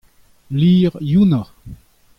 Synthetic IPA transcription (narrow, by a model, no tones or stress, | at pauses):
liːʁjuna